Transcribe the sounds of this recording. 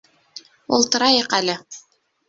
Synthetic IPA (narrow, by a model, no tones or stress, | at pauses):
ṵlˠt̪ɤ̆ɾɑjɤqælɘ